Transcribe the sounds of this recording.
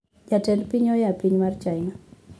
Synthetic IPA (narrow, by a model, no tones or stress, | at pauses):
d͡ʒatɛnpiɲɔjapiɲmart͡ʃajŋa